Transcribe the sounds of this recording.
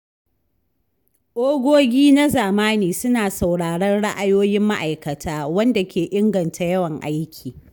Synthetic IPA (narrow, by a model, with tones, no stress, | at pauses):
ʔoː˦ɡʷoː˦ɡʲiː˦na˦zaː˨maː˦niː˨sʊ˦naː˨sa˨wɽaː˨ɽɐ˦nɽa˦ʔa˨joː˦jɪ˦mːa˦ʔa˨jkɐ˨tʰaː˦wɐ˦nda˨kʲʰeː˨ʔɪ˦ŋɡɐ˨ntʰa˨jɐ˦wɐ˨ŋʔa˦jkʲʰiː˨